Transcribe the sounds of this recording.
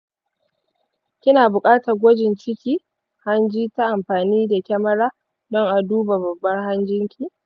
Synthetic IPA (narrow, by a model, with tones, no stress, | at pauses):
kʲɪ˦naː˨bʊ˨kʼaː˦ta˨ɡʷɔ˦d͡ʒɪ˨nt͡ʃɪ˦kʲiː˦ | ha˦nd͡ʒiː˦ta˦ʔa˨mɸaː˨niː˦da˨kʲɐ˦mɐ˦ɽaː˦ | dɔ˦ŋʔa˨duː˦ba˨bɐ˨bːɐ˦rɦa˦nd͡ʒɪ˦ŋkʲʰiː˨